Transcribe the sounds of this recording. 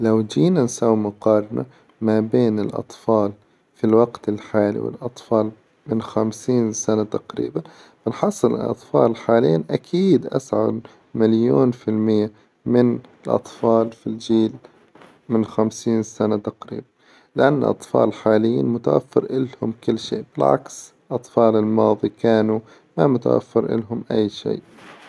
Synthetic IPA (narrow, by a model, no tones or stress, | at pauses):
lawd͡ʒiːnansaːwimʊqɑːɾˤɑnʔa̰ | mabeːnɪlʔɑ̰t̪ˤfɑːl | filwaɡt̪ɪlħaːlḭwɪ̰lʔɑt̪ˤfɑːl | mɪnxamsiːnsanat̪aqɾḭːban | bɪnħɑsˤːɨlʔɪ̰ʔɑ̰t̪ˤfɑ̰ːlħaːljːiːnʔakʰiːd̪ʔa̰sʕa̰ | maljoːnfɪlmɪjːa | mɪnɪlʔɑ̰t̪ˤfɑːlfild͡ʒiːl | mɪnxamsiːnsanat̪aqɾḭːban | lɪʔanːʔɑ̰t̪ˤfɑ̰ːlħaːlɪjːiːnmʊt̪awafːɪ̰ɾʔɪlhʊmkɪlːʃiːʔb̥ɪlʕa̰ks | ʔɑt̪ˤfɑːlɪlmɑːðˤikaːnu | mamʊt̪a̰wʔa̰fːɪɾʔɪ̰lɦʊmʔajːʃḭːʔ